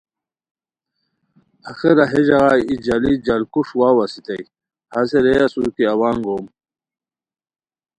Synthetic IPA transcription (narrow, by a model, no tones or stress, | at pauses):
axiɾaɦeʑɐɣaːjid͡ʑalid͡ʑalkuʂwaːwɐsit̪ɐj | haseɾejasukiɐwaːŋɡoːm